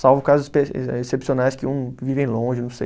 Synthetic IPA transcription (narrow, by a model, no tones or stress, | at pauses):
sawvʊ̃kazʊzpeesepsionajskɪũvivẽj̃lõʒɪnɐ̃sej